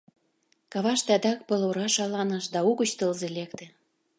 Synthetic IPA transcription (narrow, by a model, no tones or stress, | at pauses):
kɑβɑʃt̪ĕɑd̪ɑk̚pɤloɾɑʃɑlɑnɤʃd̪ɑuɣə̆t͡ɕt̪ɤ̆lzelek̚t̪ĕ